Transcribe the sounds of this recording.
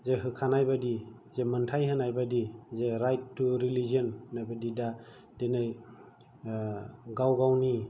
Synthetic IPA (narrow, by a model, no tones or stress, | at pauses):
zeɦɯkʰanajbadi | zemɯntʰajɦɯnajbadizeɾajttːuɾiliziɔnnajbadida | d̥enɯj | ɡawɡawni